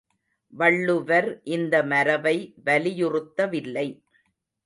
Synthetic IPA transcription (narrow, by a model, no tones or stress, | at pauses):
ʋɐɭːɯʋɐɾʔɪnd̪ɐmɐɾɐʋɐɪʋɐlɪjʊrɯt̪ːɐʋɪlːɐɪ